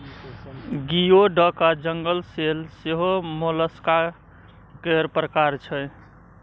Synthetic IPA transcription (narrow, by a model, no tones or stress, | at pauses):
ɡijoɖəkad͡ʒəŋɡəlselseɦomoləska | keɾpɾəkaɾt͡ʃʰɛ